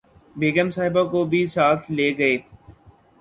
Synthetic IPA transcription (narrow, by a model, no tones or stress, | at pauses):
beːɡəmsaːɦɪbakobʱisaːfleːɡəeː